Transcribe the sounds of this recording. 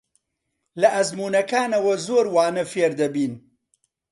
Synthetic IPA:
lɐʔɐzmuːnɐkaːnɐwɐzoːɾwaːnɐfeɾd̪ɐbiːn

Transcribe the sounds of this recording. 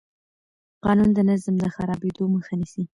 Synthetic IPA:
qɑnund̪ənazmd̪əxaɾɑbed̪oməxanisi

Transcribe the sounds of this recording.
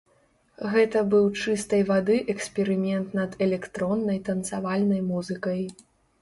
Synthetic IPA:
ɣɛt̪ɐbɨwt͡ʂɨst̪ɐjvad̪ɨʔɛksʲpʲɛɾɨmʲɛnt̪nɐd̪ɛlʲɛkt̪ɾɔnːɐjt̪ɐnt̪savalʲnɐjmuzɨkɐj

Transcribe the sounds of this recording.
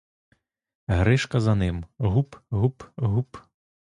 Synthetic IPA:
ɣɾɛʂkɐzanɪmɣupɣupɣup

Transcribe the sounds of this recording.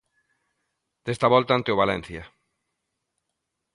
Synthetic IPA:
d̪̥est̪aβɔlt̪aant̪eʊβ̞alɛn̟θjɐ

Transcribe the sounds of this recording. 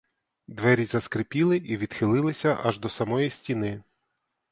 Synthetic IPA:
d̪ʋɛɾʲizɐskɾepʲilˠɪʔiʋʲid̪xɪlˠɪlˠɪsʲɐʔɐʒd̪ɔsɐmɔjisʲtʲinɪ

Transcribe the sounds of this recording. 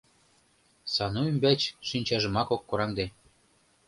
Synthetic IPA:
sɑnuymbæt͡ɕʃynʲt͡ɕɑʒɤ̆mɑkokːoɾɑŋd̪e

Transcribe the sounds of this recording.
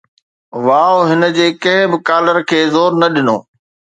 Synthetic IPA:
ʋaːoɦɪnə̆d͡ʑeːkɐ̃ɦɪ̃bɪkaːləɾkʰeːzoːɾnɐɗɪno̰ː

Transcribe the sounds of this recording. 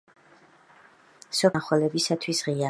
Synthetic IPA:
sɔχwɛlɛbisat̪ʰwisʁia

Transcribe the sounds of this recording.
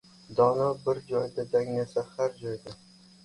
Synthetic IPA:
d̪ɒnabɪɾd͡ʒɒjd̪ad̪aŋnasahaɾd͡ʒɒjd̪a

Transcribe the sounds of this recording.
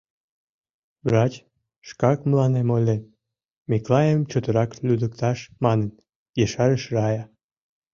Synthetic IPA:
brɑt͡ɕ | ʃkɑkməlɑnemolʲe | meklɑjəmt͡ɕot̪əɾɑklʲyd̪ək̚t̪ɑʃmɑnən | jeʃɑɾəʃrɑjɑ

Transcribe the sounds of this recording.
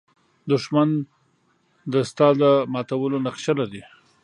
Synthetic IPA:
d̪ʊʂman | d̪əst̪ɑd̪əmɑt̪awəlonaqʃalaɾi

